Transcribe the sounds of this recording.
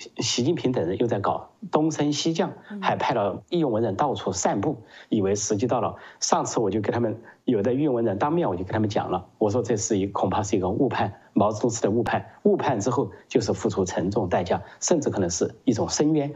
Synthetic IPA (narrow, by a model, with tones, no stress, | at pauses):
ɕi˧˥t͡ɕi˥˩npʰi˧˥ŋt̪ə˨˩ŋɻə˧˥jo˥˧ʊt͡sa˥˩ɪkɑ˨˩ʊt̪ʊ˥ŋʂə˥nɕi˥t͡ɕjɑ˥˩ŋxa˧˥ɪpʰa˥˧ɪlə˨˩i˥˧jʊ˥˧ŋwə˧˥nɻə˧˥nt̪ɑ˥˧ʊt͡sʰu˥˩ʂa˥˧npu˥˩i˨˩we˧˥ɪʂɻ̩˧˥t͡ɕi˥t̪ɑ˥˩ʊlə̰˩ʂɑ˥˩ŋt͡sʰɹ̩˥wɔ˨˩t͡ɕjo˥˧ke˧˥ɪtʰa˥mə˧˨njo˨˩ʊd̪ə˧y˥˩˧wnɻə˧˥nt̪ɑ˥ŋmjɛ˥˩wɔ˨˩jo˥˩k̪ʰa˥m˧nt͡ɕjɑ̰˨˩ŋlə˦wɔ˨˩ʂ̬wɔ˥ʈ͡ʂɤ˥˩˧ʂɻ̩˥˩i˧˥˧kʰʊ˨˩ŋpʰa˥˧ʂɻ̩˥˩i˧˥ɡə˧u˥˧pʰa˥˩n | mɑ˧˥ʊt͡sɤ˧t̪ʊ˥ŋt͡sʰɹ̩˥d̪ə˧u˥˧pʰa˥˩nu˥˧pʰa˥˩˧nʈ͡ʂɻ̩˥xo˥˧ʊt͡ɕjo˥˧ʊʂ̬ɻ̩˥˩fu˥˩ʈ͡ʂʰu˧˥ʈ͡ʂʰə˧˥ŋʈ͡ʂʊ˥˧ŋt̪a˥˩ɪt͡ɕja˥ʂə˥˧nʈ͡ʂɻ̩˥˩kʰɤ˨˩nə˧˥ŋʂɻ̩˥˧i˥˩ʈ͡ʂʊ˨˩ŋʂə˥nɥɛ˥n